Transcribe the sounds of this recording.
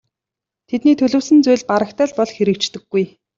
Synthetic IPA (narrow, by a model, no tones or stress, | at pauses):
t̪ʰet̪niːt̪ʰɵɮɵ̆ːwsɘ̆nt͡sʊjɮʲpaɾə̆kt̪æːɮpɔɮxeɾɘ̆k̚t͡ɕt̪ɘ̆ɡːuj